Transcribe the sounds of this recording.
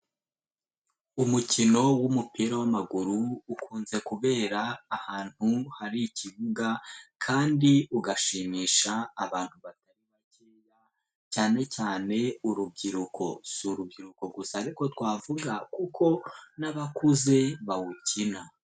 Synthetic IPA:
umucino̞wumupiɾawamaɡuɾuːkʰuːnze̞kuβe̞ːɾaːhaːn̥huhaɾiciβuɡakʰaːndiuɡaʃiːmiːʃaːβaːn̥huβataɾiβaceːja | caːne̞caːne̞uɾub̚ɟiɾukʰo̞suɾub̚ɟiɾuko̞ɡusaɾiko̞twaːvuɡakukʰo̞naβakuze̞βawucina

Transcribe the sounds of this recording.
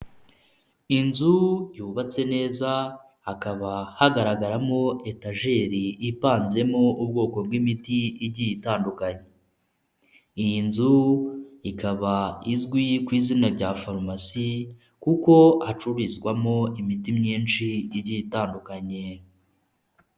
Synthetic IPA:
inzujuːβat͡se̞ne̞ːzaː | kaβahaɡaɾaɡaɾamo̞ʔe̞taʒe̞ɾiipaːnze̞mo̞ub̚ɡo̞ːko̞b̚ɡwimitiiɾɟijitaːndukaɲe̞ | ijinzu | ikaβaizɡwikwiːzinaɾɟaːfaɾmasi | kuko̞at͡ʃuɾizɡwamo̞imitimɲiːnʃiːɾɟijitaːndukaɲe̞

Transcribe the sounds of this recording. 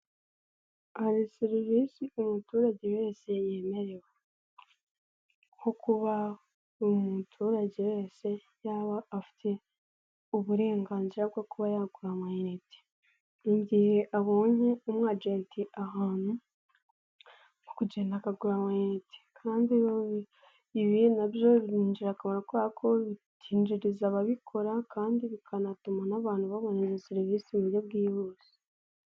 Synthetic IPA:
aɾisiɾiβisiumutuːɾaɟewe̞ːseje̞ːme̞ɾe̞we | hokuβa | omutʰuːɾaɟewe̞ːse̞ | jaːβaːfi̥tʰe̞ | uβuɾe̞ːŋɡaːnziɾab̚ɡokuβajaɡuɾamajiɾeti̥ | iɲɟiːhe̞ʔaβoːɲeumŋaːd͡ʒiatiʔahaːn̥hu | nukuɟeːnakaɡuɾamajeɾete̥kʰaːndioβi | iβienabjoβiniːɲd͡ʒiɾakaβoɾakuβakʰo̞βitʰiːnd͡ʒiɾizaβaβikʰo̞ɾakʰaːndiβikʰanatumanaβaːn̥huβaβo̞nezesiɾivisimujob̚ɡiːβoːsi̥

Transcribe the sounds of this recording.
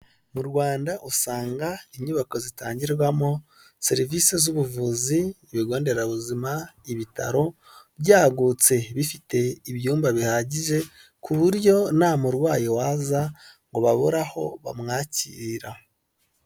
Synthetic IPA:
muɾɡwaːndaʔusaːŋɡaiɲuβako̞zitaːɲɟiɾwamo̞ | se̞ɾivise̞zuβuvuzi | βiɡo̞ːnde̞ɾaβuzimaiβita̰ɾo̞ | bɟaːɡut͡se̞βifite̞iβjuːmbaβihaɟiʒe̞ | kʰuβuɾjo̞namuɾwaːjowazaŋɡo̞βaβoɾaho̞βa̰mŋaːciɾa

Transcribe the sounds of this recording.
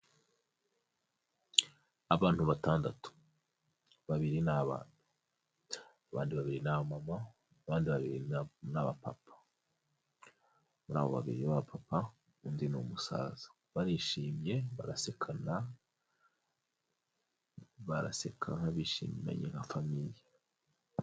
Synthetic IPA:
aβaːn̥huβataːndatu̥ | βaβiɾinaβa̰ːn̥u̥ | aβaːndiβaβiɾinaβamama | βaːndiβaβiɾinaβapa̰pʰḁ | muɾa̰ːβo̞βa̰βḭɾiβaβapʰapa | unzinomusa̰ːzḁ | βaɾiːʃiːmɲe̞βaɾase̞kʰana | βaɾa̰se̞kʰanaβiʃḭːmma̰ɲḛŋafamiji

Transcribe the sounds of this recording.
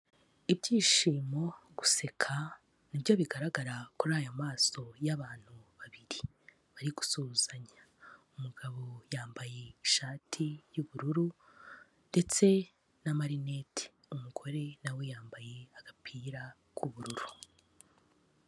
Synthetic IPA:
ibɟiːʃiːmo̞ɡuse̞kʰa | nibjo̞βiɡaɾaɡaɾakuɾaːjamaːso̞jaβaːn̥huβaβiɾi | βaɾiɡu̥suːz̥aɲa | umuɡaβo̞jaːmbaje̞iʃaːtʰijuβuɾuɾu | nde̞t͡se̞ | namaɾine̞te̥ | umuɡo̞ɾe̞nawe̞jaːmbaje̞aɡ̥apʰiːɾa | kʰuβuɾuɾu

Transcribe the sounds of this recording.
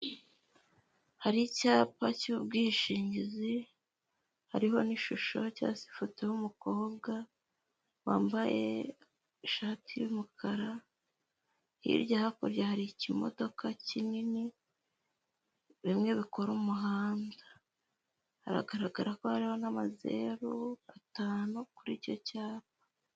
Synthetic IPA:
haɾicaːpaciubɡiːʃiːɲɟizi | haɾiɦo̞niʃuʃo̞ca̰si̥futehumuko̞ːb̚ɡa | wa̰ːmbaje̞̰ | ʃaːtʰijumukʰaɾa | hḭːɾɟahako̰ɾjahaɾicimo̞̰do̞kʰacinini | βimŋe̞βiko̞ɾumuɦaːndaː | ɾa̰ɡaɾaɡaɾako̞haɾiho̞namaze̞̰ɾuataːnukuɾico̞caːβḁ

